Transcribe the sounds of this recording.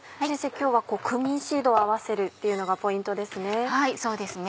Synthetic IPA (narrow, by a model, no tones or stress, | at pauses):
esekʲo̞ːβako̞ːkʰɯ̟mʲĩɰ̃ɕiːd̪o̞ːaβase̞ɾɯ̟t̪ːejɯ̟no̞ɡapo̞ĩnt̪o̞d̪e̞sɨne̞haiso̞ːd̪e̞sɨn